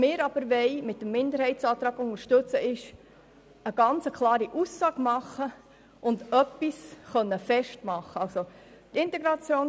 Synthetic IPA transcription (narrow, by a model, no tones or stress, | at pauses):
mɪːɾɑb̥əɾʋɛɪmɪt̚dəm̩ːɪnd̪əɾhɛɪtt͡sɑːt̪ɾɑːɡʊŋəɾʃtɵt͡səʔɪʃ | əɡ̥ɑnt͡səkʰlˠɑːɾiʔusːɑːɡmɑχːə | ʔʊndœpːisχœnːəfɛʃtmɑχːəɑlso | t̪ɪntɛɡɾɑt͡sjoːn